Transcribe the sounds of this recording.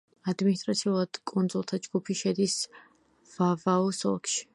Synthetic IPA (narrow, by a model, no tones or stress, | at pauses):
ad̪minist̪ʼɾat̪sʰiulˠad̪̥kʼunzulˠt̪ʰad͡ʒɡupʰiʃɛd̪is | vavaɔsɔ̰kʃi̥